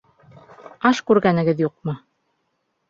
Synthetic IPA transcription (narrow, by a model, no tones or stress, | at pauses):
ɑʃkʉɾɡænɘ̆ɡɘðjuq̚mɤ